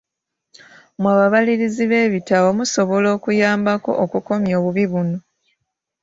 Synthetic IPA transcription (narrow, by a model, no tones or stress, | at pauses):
mwaːβaβaliɾiziβe̞ːβitaβomuso̞βo̞lo̞ːkujaːmbako̞̰ʔokuko̞mjo̞ːβuβiβuno̞